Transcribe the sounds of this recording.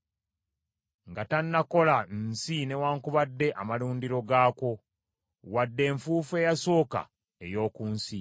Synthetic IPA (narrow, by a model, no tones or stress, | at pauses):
ŋɡatanːako̞lansine̞waːŋkuβadːe̞ʔamaluːndiɾo̞ɡaːko̞ | wadːe̞ːɱfuːfe̞ːjaso̞ːka̰ | e̞̰jo̞ːkuːnsi